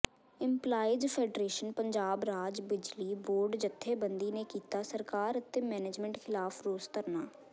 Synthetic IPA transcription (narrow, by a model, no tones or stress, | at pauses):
ɪ̃mplaːɪd͡ʒpʰeːɖɾeːʃənpəɲd͡ʒaːbɾaːd͡ʒbɪd͡ʒliːboːɾɖd͡ʒət̪ʰːeːbənd̪iːneːkiːt̪aːsəɾkaːɾət̪emɛːneːd͡ʒmɛ̃ɳʈkʰɪlaːfʰɾoːst̪əɾnaː